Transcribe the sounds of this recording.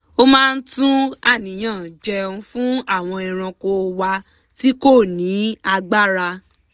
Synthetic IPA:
o˦mãː˦˧n̩˦tũ˦a˦˨nĩ˨˦j̃ã˦˨d͡ʒɛ˧ũ˧fũ˦a˦˨w̃ɔ̃˧i˧ɾ̃ã˧ko˧wa˧ | ti˦ko˦˨nĩ˨˦a˧ɡ͡ba˦ɾa˧

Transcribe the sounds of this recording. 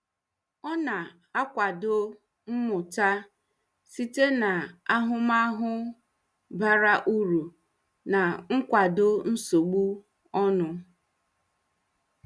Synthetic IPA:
ɔ˦na˨ | a˦kʷa˨dʊ˦ | m̩˦mʊ˨ta˦ | si˦te˦na˨a˦ɦʊ˦ma˦ɦʊ˦ | ba˦ɾa˦ʔu˦ɾu˨ | na˨ŋ̩˦kʷa˨dʊ˦n̩˦so˨ɡ͡bu˦ | ɔ˦nʊ˦

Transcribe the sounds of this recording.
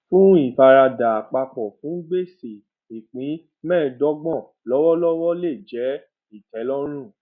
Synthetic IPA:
fũ˦i˦˨fa˧ɾa˧da˨a˨k͡pa˧k͡pɔ˨fũ˨˦ɡ͡be˦˨se˨ | i˨k͡pĩ˨˦ | mɛ̃ː˦˨dɔ˦ɡ͡bɔ̃˦˨ | lɔ˨˦wɔ˦lɔ˦wɔ˦le˦˨d͡ʒɛ˨˦ | i˦˨tɛ˨˦lɔ˦ɾ̃ũ˦˨

